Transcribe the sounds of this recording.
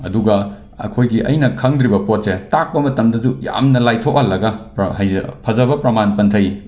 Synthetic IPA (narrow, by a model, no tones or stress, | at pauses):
ɐduɡɐ | ɐ̰kʰojɡiʔɐ̰jnɐkʰɐŋdɾibɐpot̚setak̚pɐmɐtɐmdɐzuja̰mnɐlajtʰok̚ɐlːɐɡɐpɦɐjpʰɐzɐβɐpɾɐmanpɐntʰɐj